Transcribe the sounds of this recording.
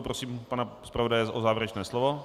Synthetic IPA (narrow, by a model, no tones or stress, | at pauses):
pɾosiːmpanaspɾavodajɛzʔozaːvjɪɾɛt͡ʃnɛːslovo